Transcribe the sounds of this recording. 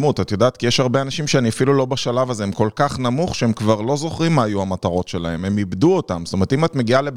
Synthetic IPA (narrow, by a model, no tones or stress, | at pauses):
mutatjo̞d̪aːt̪kijeʃaʁbe̞anaʃimʃeaniafilulo̞baʃalavazeemko̞lkaχnamuχʃeemkvaʁlo̞zo̞χʁimːaːjuamataʁo̞tʃe̞la̰he̞me̞mibd̪uotamstome̞t̪imat̪me̞ɡiale